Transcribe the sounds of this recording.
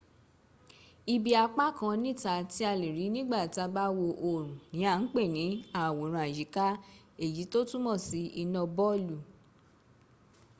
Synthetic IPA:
i˧bi˧a˧k͡pa˦˨kã˧nĩ˦˨ta˧ti˦a˧li˨ɾi˨˦nĩ˦ɡ͡ba˦˨ta˧ba˦wo˧ʔo˨ɾ̃ũ˨nĩ˨˦a˦˨n̩˦k͡pe˦˨nĩ˨˦a˨wo˨˦ɾ̃ũ˧a˨d͡ʒi˨˦ka˦ | e˦˨ji˨˦to˦tũ˦mɔ̃˦˨si˧˦i˧nɔ̃˧bɔ˦lu˨

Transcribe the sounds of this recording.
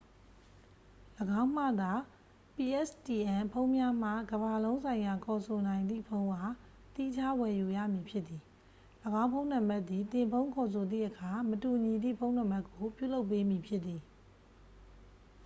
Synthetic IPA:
ləɡã˦ʊ̃m̥ä̰˦˨d̪a˨ | pi˨ʔɛ˦sti˨ʔɛ̃˨pʰõ˦ʊ̃mja˦m̥ä̰˦˨ɡəba˨lõ˦ʊ̃sʰã˨ɪ̃ja˨kʰɔ˨sʰo˨nã˨ɪ̃nd̪ðḭ˦˨pʰõ˦ʊ̃ʔa˨ | t̪i˦d͡ʑa˦wɛ˨ju˨jä̰˦˨mji˨pʰjɪ˦t̪t̪ːi˨ | ləɡã˦pʰõ˦ʊ̃nã˨mba˦t̪ði˨t̪ɪ̃˨mpʰõ˦ʊ̃kʰɔ˨s̬ʰo˨d̪ðḭ˦˨ʔəkʰa˨mətu˨ɲi˨d̪ḭ˦˨pʰõ˦ʊ̃nã˨mba˦kːo˨pjṵ˦˨lo˦ʊp̬ːe˦mi˨pʰjɪ˦t̪t̪ːi˨

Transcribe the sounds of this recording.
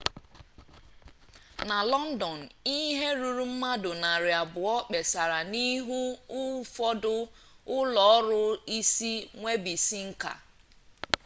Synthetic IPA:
na˨lɔ˦n̩˦dɔ˨n̩˨i˦ɦe˦ɾu˨ɾu˦m̩˦ma˦dʊ˨na˨ɾɪ˨a˨bʊ˨ɔ˦k͡pe˨sa˨ɾa˨ni˦ɦu˦ʊ˦fɔ˦dʊ˦ʊ˦lɔ˨ɔ˦ɾʊ˦i˦si˦ŋʷe˦bi˨si˦ŋ̩˦ka̰˨

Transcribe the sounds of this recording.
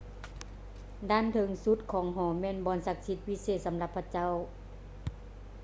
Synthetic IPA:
daː˧˥˨nt̪ʰɤ˧˦ŋsu˧˦˥t̪̚kʰɔː˨˦ŋɦɔː˨˩˦mɛː˧˥˨nbɔː˧˥˨nsa˧˥k̚si˧t̪̚pi˧˥seː˧˩t̪̚sa˨˦mla˧˦pʰːa˧t͡ɕa˥˨w

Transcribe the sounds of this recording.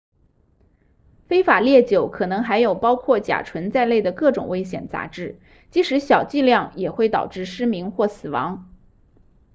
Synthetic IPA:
fe˥ɪfa˨˩ljɛ˥˩t͡ɕjo˨˧˩ʊkʰɤ˨˩nɤ˧˥ŋxa˧˥ɪjo˨˩ʊpɑ˥ʊkʰwɔ˥˩t͡ɕja̰˨˩ʈ͡ʂʰwə˧˥nt͡sa˥˧ɪle˥˩ɪd̪ə˩kɤ˥˩ʈ͡ʂʊ̰˨˩ŋwe˥ɪɕjɛ̰˨˩nt͡sa̰˧˥ʈ͡ʂɻ̩˥˩ | t͡ɕi˧˥ʂɻ̩˧˥ɕjɑ˨˩ʊt͡ɕi˥˧ljɑ˥˩ŋjɛ˨˩xwe˥˩ɪt̪ɑ̰˨˩ʊʈ͡ʂɻ̩˥˩ʂɻ̩˥mi˧˥ŋxwɔ˥˩sɹ̩˨˩wɑ̰˧˥ŋ

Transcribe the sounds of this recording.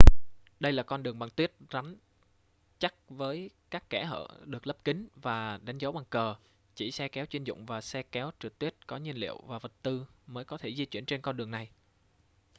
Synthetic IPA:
ɗə˧jlaː˨˩kɔ˧nɗɨ˨˩əŋɓaː˨˩ŋt̪wi˦˥ət̚za˨˦ŋ | t͡ɕa˦˥k̚vəː˨˦jkaː˦˥kːɛ˧˩ɦə̰ː˧˨ɗɨ˨˩ək̚lə˦˥p̚kï˨˦ŋ̟vaː˨˩ɗa˨˦jŋ̟zɔ˨˦ɓa˨˩ŋkəː˨˩ | t͡ɕi˧˩sɛ˧kɛ˨˦wt͡ɕwi˧nzʊ̰˧˨ŋ͡mvaː˨˩sɛ˧kɛ˨˦wt͡ɕɨ˨˩k̚t̪i˦˥ət̚kɔ˨˦ɲi˧ənlḭ˧˨əwvaː˨˩və˨˩t̚t̪ɨ˧məː˨˦jkɔ˨˦t̪ʰe˧˩zi˧t͡ɕwi˧˩ənt͡ɕe˧nkɔ˧nɗɨ˨˩əŋna˨˩j

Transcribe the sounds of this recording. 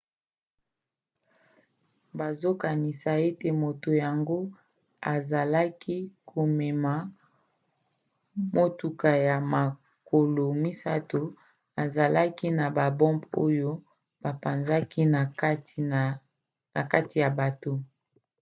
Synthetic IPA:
ba˨zo˦ka˨ni˨sa˨e˦te˨mo˨to˨ja˨ŋɡo˦ | a˨za˨la˦ki˦kʰo˨mɛ˨ma˨ | mo˦tu˨ka˨ja˨ma˨ | ko˨lo˨mi˦sa˦to˨ | a˨za˨la˦ki˦na˨ba˨bɔ̃˦mbo˦jo˦ | b̥a˨pa˨nza˦ki˦˨˦ | na˨ka˦ti˨ja˨ba˨to˦

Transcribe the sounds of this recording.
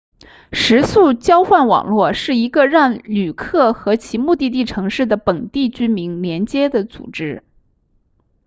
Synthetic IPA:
ʂɻ̩˧˥su˥˩t͡ɕjɑ˥ʊxwa˥˩nwɑ̰˨˩ŋlwɔ˥˩ʂɻ̩˥˩i˧˥ɡə˧ɻɑ˥˩ŋly˨˩kʰɤ˥˩xɤ˧˥t͡ɕʰi˧˥mu˥˧t̪i˥˧t̪̬i˥˩ʈ͡ʂʰɤ˧˥ŋʂɻ̩˥˩d̪ə˩pə˨˩nt̪i˥˩t͡ɕy˥mi˧˥ŋljɛ˧˥nt͡ɕjɛ˥d̪ə˨t͡sṵ˨˩ʈ͡ʂɻ̩˥

